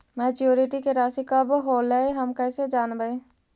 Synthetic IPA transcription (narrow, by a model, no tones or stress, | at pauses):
mɛːt͡ʃjoːɾiʈikeɾaːsikəbɦoːleɦəmkəɪsed͡ʒaːnbəe